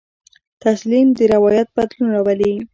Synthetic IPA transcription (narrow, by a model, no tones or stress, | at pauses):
t̪aslimd̪əɾɪwɑjat̪̚bad̪lunɾawali